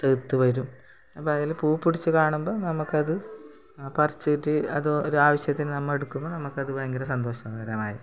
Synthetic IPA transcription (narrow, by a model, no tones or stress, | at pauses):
t̪et̪ːuʋɐɾum | ɐpːoɐðilpuːpːuɽit͡ɕːukaːɳumbo̞ːnɐmukːɐðɨ | pɐrit͡ɕːɨiʈːɨɐðooɾuaːʋɐɕjɐt̪ːinnɐmːɐɭe̞ɽukːumːɐnɐmukːɐðɨʋɐŋɡɐɾɐsɐnd̪o̞ːɕɐmɐɣɐɾɐmaːjḭ